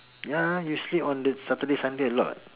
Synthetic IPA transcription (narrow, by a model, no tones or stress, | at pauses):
jajusliɔ̃ndɛsat̪ədesãndeəlɔ̰t̚